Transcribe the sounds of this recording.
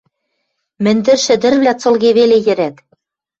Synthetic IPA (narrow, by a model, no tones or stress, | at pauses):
mɘ̆nʲd̪ɘ̆rʃɘ̆d̪ɘ̆rβlʲæt͡sɤ̆lˠɣeβelejɘ̆ɾæt̪